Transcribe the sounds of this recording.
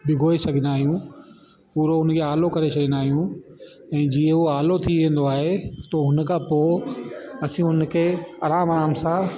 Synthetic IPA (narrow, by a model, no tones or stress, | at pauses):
bɪɡʱoːesɐɡʱɪ̃naːɦijũ | puːɾoʊnkʰeaːlokɐɾesɐɡʱɪ̃nd̪aːɦijũ | ɛ̃ːd͡ʑiə̃ɦuaːlot̪ʰiʋẽːn̆d̪oaːɦet̪oɦʊnkʰãːpoː | ɐsĩʊnkʰeːɐɾaːmɐɾaːmsã